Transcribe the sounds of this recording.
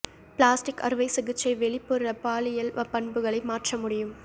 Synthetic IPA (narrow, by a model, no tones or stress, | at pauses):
pɭaːsʈɪkɐ̰ɾɯʋɐɪsɪɣɯt͡ʃːɐɪʋɛɭɪpːɯɾɾɐpaːlɪjɐlʋɐpɐɳbɯɣɐɭɐɪmaːʈrɐmʊɽɪjɯm